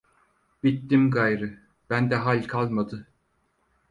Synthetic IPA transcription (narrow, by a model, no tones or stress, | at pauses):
b̥it̪ːimɡajɾɯ | b̥ænd̪ɛɦalʲkʰalˠmad̪ɯ